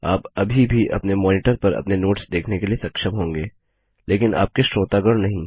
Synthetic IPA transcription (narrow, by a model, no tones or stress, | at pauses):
aːpɐbʱibʱiʔɐ̰pnemɔːnɪʈəɾpɐɾɐ̰pnenoːʈsd̪eːkʰnekeliesɐkʃəmɦõːŋɡeː | leːkɪna̰ːp̚keʃɾoːt̪aːɡəɾnɐɦĩː